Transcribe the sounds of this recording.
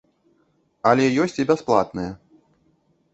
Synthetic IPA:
ɐlʲɛjɔsʲt͡sʲibʲasplˠa̰t̪nɨjɐ

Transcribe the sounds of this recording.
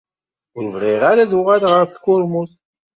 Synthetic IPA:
ʊɾəvʁɪʁaɾaðuʁælʁəɾθkːʊɾmuθ

